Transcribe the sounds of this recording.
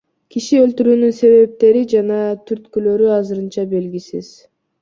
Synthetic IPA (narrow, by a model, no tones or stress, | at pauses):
kʰiʃiø̞lt̪yɾyːnynse̞βe̞p̚t̪e̞ɾid͡ʒɑnɑt̪ʰyɾt̪kylø̞ɾyɑzɯɾɯnt͡ʃɑbe̞lɡʲisḭz̥